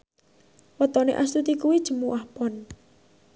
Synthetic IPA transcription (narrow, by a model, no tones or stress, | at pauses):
wət̪ɔnḛʔast̪ut̪ikuwid̥ʒ̥ə̤muʔahpɔn